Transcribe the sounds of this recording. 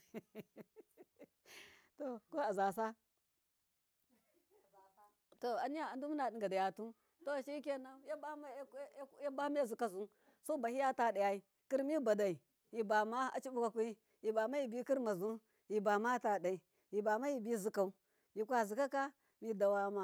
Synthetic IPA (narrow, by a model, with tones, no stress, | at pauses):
to˨ko˦a˨za˨s̬a˦˨˦ | to˨a˨ni˦ja˨a˨ndu˦mu˦na˨di˨ŋɡa˨da˨ja˨tu˦ | to˦˨ʃi˦ke˦na˦ja˦ba˦m˦ja˦ba˦ma˦˨zu˨ka˦zu˦ | so˦ba˨hi˦ja˦ta˦˨da˨ja˦i˦ | ki˦ɾmi˦ba˨da˨i˨ | ji˨ba˨ma˦a̰˨t͡ʃi˦bu˦ka˨ku˦i˦ | ji˨ba˨ma˦ji˦bi˦ki˦ɾma˨zu˦ | ji˨ba˨ma˦ta˨da˨i˨ | ji˨ba˨ma˦ji˦bi˦˨zu˦ka˨u˦ | ji˨kʷa˦˨zu˨ka˦ka˦ | mi˦da˨wa˦ma˦